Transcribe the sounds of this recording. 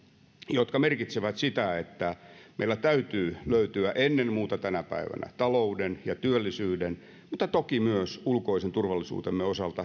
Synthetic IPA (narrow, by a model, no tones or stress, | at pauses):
jot̪kɑmerkit̪seʋæt̪sit̪æet̪ːæmḛilːˑæt̪æyt̪yːløyt̪yæʔenːenmuːt̪ɑt̪ænæpæ̰iʋæ̰næ̰t̪ɑloudenjɑt̪yølːisyːden | mut̪ːɑt̪okimyøsulkoisent̪urʋɑlːisṵːt̪emːeosɑlt̪ɑ